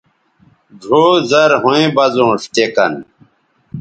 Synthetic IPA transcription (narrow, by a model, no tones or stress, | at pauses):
ɖʱoːzɐɾɦõẽbɐzõːʂt̪eːkɐ̰n